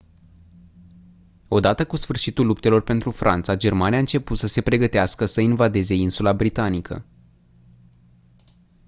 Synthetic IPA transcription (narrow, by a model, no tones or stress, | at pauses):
o̞d̪at̪əkusfɨrʃit̪ulup̚t̪e̞lo̞rpe̞nt̪ɾufɾʔa̰nt̪sad͡ʒe̞rmaniaɨnt͡ʃe̞put̪səse̞pɾe̞ɡət̪easkəsəinvad̪e̞ze̞insulabɾit̪anikʰə̰